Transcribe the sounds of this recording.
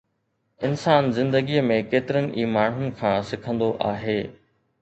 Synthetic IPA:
ɪnsaːnzɪ̃nd̪əɡiəmẽkeːt̪ɪɾənɪ̆ʔiːmaːɳ̤ɦʊnɪ̆kʰãːsɪkʰə̃nd̪oʔaːɦeː

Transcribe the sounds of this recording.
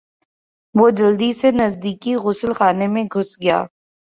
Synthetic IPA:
ʋoːd͡ʒɐld̪isenɐzd̪iːkiɣʊsəlxaːnemẽɡʱʊsɡɐja̰ː

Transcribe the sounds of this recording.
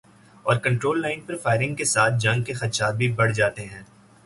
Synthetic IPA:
ɔːɾkɐ̃ɳʈɾoːlːaːɪnpɐɾfaːɪɾɪ̃ŋɡkesaːt̪̚ʰd͡ʒɐ̃ŋɡ̚kexɐt̪ʃaːt̪̚bʱibɐɽ̤d͡ʒaːt̪eɦɛ̃ː

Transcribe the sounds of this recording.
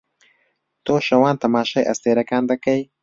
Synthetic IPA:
t̪oʃawɑːnt̪amɑːʃajʔa̰st̪eɾakɑːnd̪akaj

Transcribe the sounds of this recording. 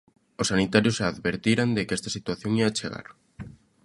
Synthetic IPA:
osanit̪aɾjosaðβeɾt̪iɾand̪ekɛst̪asit̪uaθjoŋiat͡ʃeɣa̰ɾ

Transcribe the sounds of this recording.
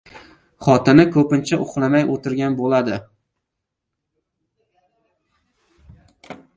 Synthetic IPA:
χɒt̪ɪnɪkʰɵpɪnt͡ʃʰaʔʊχlˠamajot̪ʰɪɾɡʲanbolad̪ɪ

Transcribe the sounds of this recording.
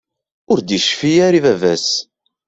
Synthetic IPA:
ʊɾd̪iʃfijæɾivævæs

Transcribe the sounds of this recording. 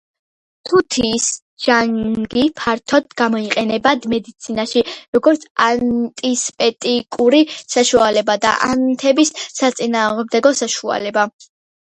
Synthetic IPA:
t̪ʰut̪ʰis | ʒ̥aŋɡipʰaɾt̪ʰɔd̪ɡamɔiqʼɛnɛbad̪mɛd̪it̪sʰinaʃiɾɔɡɔɾt̪sʰant̪ʼispʼɛt̪ʼikʼuɾisaʃualɛbad̪a̰ʔant̪ʰɛbisːat̪sʼinaːʁmd̪ɛɡɔsaʃua̰lɛba

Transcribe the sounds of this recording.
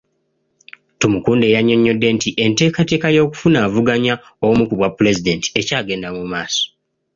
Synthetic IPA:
tumukuːnde̞ːjaɲːo̞ɲːo̞dːe̞ntiʔe̞nte̞ːkate̞ːkajo̞ːku̥funaːvuɡaɲa | owumukuβwapːule̞zide̞nti̥ecaːɡe̞ːndamumaːso̥

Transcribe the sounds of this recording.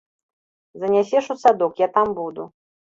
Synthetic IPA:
zɐnʲasʲɛʂusad̪ɔkjat̪ambud̪u

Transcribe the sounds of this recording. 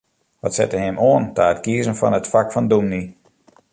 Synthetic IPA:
ʋɔtsɛ̰təɦɛmoəntaːətkiəzənfɔnətfakfɔndumni

